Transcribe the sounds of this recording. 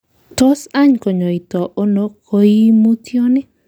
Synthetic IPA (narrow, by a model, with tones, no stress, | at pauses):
to˦sa˦ɲko˨ɲo˨i˨tɔ˨ʔo˦no˦kʰo˦i˦mu˦tjo˦nɪ˦